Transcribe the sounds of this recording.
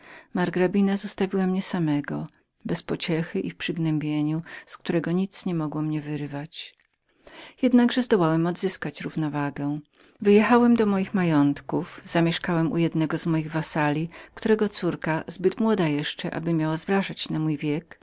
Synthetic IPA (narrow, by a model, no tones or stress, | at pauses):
maɾɡɾabʲinazɔst̪avʲiwamɲɛsamɛɡɔ | bɛspɔt͡ɕɛxɘʔifpʂɘɡnɛmbʲjeɲuskt̪uɾɛɡɔɲit̪sɲɛmɔɡwɔmɲɛvɘɾvat͡ɕ | jɛd̪naɡʐɛzd̪ɔwawɛmɔd̪zɘskat͡ɕɾuvnɔvaɡɛ | vɘjɛxawɛmd̪ɔmɔjixmajɔnt̪kufz̥amʲjɛʂkawɛmṵjɛd̪nɛɡɔzmɔjiɣvasalʲikt̪uɾɛɡɔt̪suɾkazbɘt̪mwɔd̪ajɛʂt͡ʂɛʔa̰bɘmʲjawazvɾaʐat͡ɕnamujvʲjɛk